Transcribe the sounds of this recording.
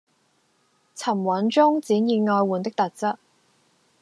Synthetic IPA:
t͡sʰɐ˨˩mwɐ˨˥nt͡ʃʊ˥ŋt͡siː˨˥njiː˨˧ŋɔː˧jwuː˨˧nt̪ɪ˥k̚t̪ɐ˨t̚t͡sɐ˥t̚

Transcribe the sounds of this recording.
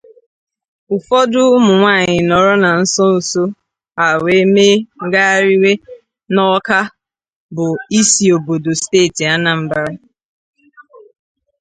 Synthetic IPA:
ʊ˨fɔ˦dʊ˦mʊ˨ŋʷaː˦˨ɲɪ˨nɔ˨ɾɔ˦na˨n̩˦sɔ˦n̩˨so˦ | a˨we˨˦me˦ɡa˦ɾi˦we˦ | nɔ˦ka˦ | bʊ˨i˦si˨o˨bo˨do˨steː˦˨ti˨a˦na˨m̩˦ba˦ɾa˦

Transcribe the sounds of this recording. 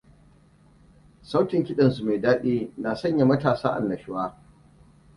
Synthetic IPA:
sa˦wkʲɪ˨ŋkʲɪ˦ɗɐ˨nsu˨ma˨jdaː˦ɗiː˦naː˨sɐ˦˨ɲja˨mɐ˦taː˨saː˦ʔa̰˨nːɐ˨ʃɪ˦waː˦

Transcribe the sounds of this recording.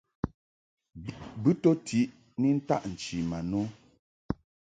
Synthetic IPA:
bɨ˦to˦tʰi˨˦ʔ | ni˦n̩˦ta̰˦ʔn̩˨t͡ʃi˨ma˨no˦

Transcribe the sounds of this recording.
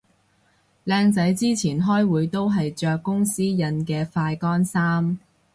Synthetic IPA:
lɛː˧ŋt͡sɐ˨˥jt͡siː˥t͡sʰiː˨˩nɦɔː˥jwuː˨˧jt̪o˥wɦɐ˨jt͡ʃœː˨kːʊ˥ŋsiː˥jɐ˧nkɛː˧faː˧jkɔː˥nsaː˥m

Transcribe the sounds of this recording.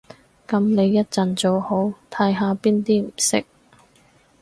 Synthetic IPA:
kɐ˨˥mne˨˧jjːɐ˥t̚t͡sɐ˨nt͡so˨who˨˥wt̪ʰɐ˧˥jɦaː˨˧piː˥nt̪iː˥m̩˨˩sɪ˥k̚

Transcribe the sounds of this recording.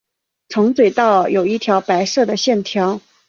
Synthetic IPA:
ʈ͡ʂʰɤ˧˥ŋt͡swe˨˩ɪt̪ɑ˥˩ʊjo˨˩ʊi˥˩t̪ʰjɑ˧˥ʊpa˧˥ɪʂɤ˥˩d̪ə˩ɕjɛ˥˩nt̪ʰjɑ˧˥ʊ

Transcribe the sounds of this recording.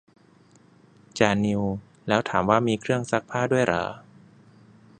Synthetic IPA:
t͡ɕaː˧˩ni˧w | lɛː˦˥wt̪ʰaː˩˦mwaː˥˩miː˧kʰɾɯ˥˩əŋsa˦˥k̚pʰaː˥˩du˥˩əjɾa̰ː˩˦

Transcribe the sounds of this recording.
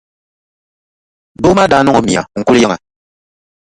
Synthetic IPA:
do˦ma˦daː˨˦nɔ˦ɔ˨mĩ˨a̰˨ŋ̩˨ku˦li˦ja˦ŋa˨

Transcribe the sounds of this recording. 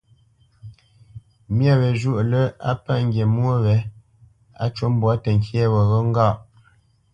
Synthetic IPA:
mja˦wɛ˨ʒu˦˨ʔlə˦a̰˦pa˦˨ŋ̩˦ɡje˨mwo˦wɛ˨˦ | a̰˦t͡ʃo˦m˦bwa˦tə˨ŋ˨kjɛ˦˨wə˨ɣə˦ŋ̩˦ɡa˦˨ʔ

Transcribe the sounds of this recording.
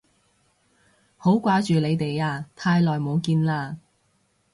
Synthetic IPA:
ho˨˥wkʷaː˨˥t͡ʃyː˨le˨˧jt̪e˨jaː˧t̪ʰaː˧jlɔː˨jmo˨˧wkiː˧nlaː˧

